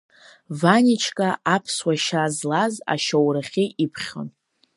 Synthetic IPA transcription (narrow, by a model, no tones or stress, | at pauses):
vanʲit͡ʃʰkʼaʔapʰswaʃazlaza̰ʃawraχʲiipʰχʲo̰n